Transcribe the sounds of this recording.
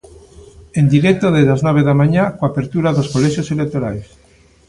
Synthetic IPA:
end̪iɾɛk̚t̪oðezðaznɔβ̞eðamaɲakoapeɾt̪uɾaðoskolɛʃjoselek̚t̪oɾa̰js

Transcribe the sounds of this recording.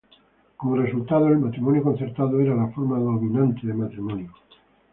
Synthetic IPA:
komresult̪að̞oelmat̪ɾimonjoko̞n̟θe̞ɾt̪aðoeɾalafoɾmaðolɣinãnt̪eðemat̪ɾimõnjo

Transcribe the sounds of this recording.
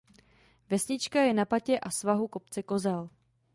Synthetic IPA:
vɛsɲɪt͡ʃkajɛnapacɛʔasvaɦuko̞pt͡sɛko̞zɛl

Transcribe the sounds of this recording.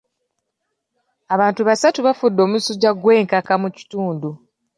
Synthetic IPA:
aβaːntuβasatuβafudːo̞musuɟaɡwe̞ːŋkakamuci̥tuːndu

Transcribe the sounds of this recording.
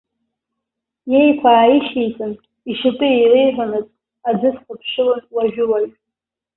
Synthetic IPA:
jejkʷʰaːiχʲejt͡sʼɨn | iʃɪpʼɨejrejħʷanɨt͡sʼ | ad͡zɨsχʷapʰʂɨlɨnwaʒᶣʊlaʒ

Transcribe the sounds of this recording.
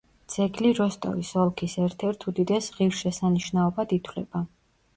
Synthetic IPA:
d̪z̥ɛɡliɾɔst̪ʼɔ̰visɔlˠkʰisɛɾt̪ʰɛɾt̪ʰud̪id̪ɛsʁiɾʃɛsaniʃnaɔbad̪it̪ʰwlɛ̰b̥a

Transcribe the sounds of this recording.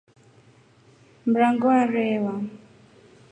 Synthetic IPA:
mɾaŋɡɔaɾɛːwa

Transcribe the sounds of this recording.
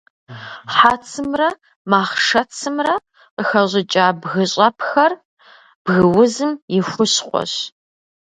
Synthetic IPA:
ħaːt͡sʰɨmrɐ | maːχʂɐt͡sʰɨmrɐ | qəxɐʑɪt͡ʃʼaːbɣɨɕʼɐpʰxɐr | b̥ɣɨwʊzɨmjɪxʷʊɕqʷɔ̰ɕ

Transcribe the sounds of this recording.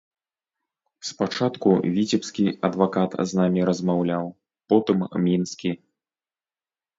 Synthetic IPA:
spat͡ʂat̪kṵvʲit͡sʲɛpskʲiɐ̰d̪vakat̪znamʲiɾɐzmawlʲaw | pɔt̪ɨmmʲinskʲi

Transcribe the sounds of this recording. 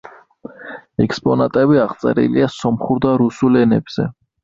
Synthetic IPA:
ɛkspʼɔnat̪ʼɛbiaʁt̪sʼɛ̰ɾḭliasɔmχuɾd̪aɾusulɛnɛbz̥ɛ

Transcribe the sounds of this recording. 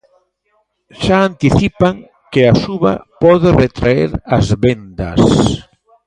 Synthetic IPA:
ʃaant̪iθipaŋ | keasuβa̰pɔðeret̪ɾaḛɾazβend̪a̰s

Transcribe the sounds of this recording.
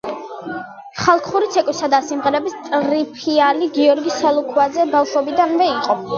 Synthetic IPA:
χalˠkʰχuɾit̪sʰɛkʼwisad̪asimʁɛɾɛbist̪ʼɾipʰialiɡiɔɾɡisalˠukʰwazɛbalˠʃɔbid̪anvɛiqʼɔ

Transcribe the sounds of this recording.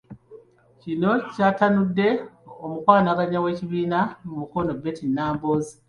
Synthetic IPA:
cino̞caːtanudːe̞omukwaːnaɡaɲawe̞ːciβiːnamumuko̞no̞betinaːmboːzi

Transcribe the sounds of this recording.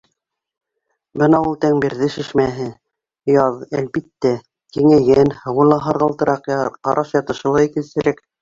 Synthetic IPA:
bɤnɑulˠt̪æŋbiɾðɘʃɘ̆ʃmæɦɘ | jɑðælbit̪ːæ | kiŋæɡænhɤ̆wɤ̆lˠɑɦɑɾʁɤ̆lˠt̪ɤ̆ɾʔɑqqɑ̰ɾʔɑʃjɑt̪ɤ̆ʃɤ̆lˠɑikɘ̆lsɘ̆ɾæk

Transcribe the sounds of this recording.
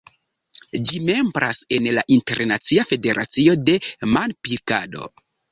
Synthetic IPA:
d͡ʒime̞mbɾase̞nlaʔinte̞ɾnat͡siafe̞de̞ɾʔa̰t͡sio̞de̞manpilkado̞̰

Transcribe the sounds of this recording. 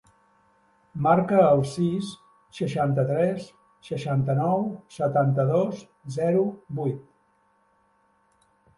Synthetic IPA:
maɾkəːlˠsisː | əʃant̪ət̪ɾɛsː | əʃant̪ənɔwsət̪ant̪əðos | zɛɾubujt̪

